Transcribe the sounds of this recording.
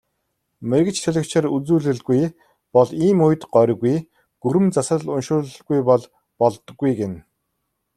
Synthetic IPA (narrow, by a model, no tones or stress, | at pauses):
merʲkɘ̆t͡ɕt̪ʰɵɮʲɪ̆kt͡ɕʰɪ̆rut͡suːɮɘ̆ɮɡuj | pɔɮiːmʊjt̪ɢœɾ̆ʲɣuj | ɡ̥uɾɘ̆mt͡sasə̆ɮʊnʃʊːɮɡujpɔɮ | pɔɮt̪ɞ̆ɡːujɡen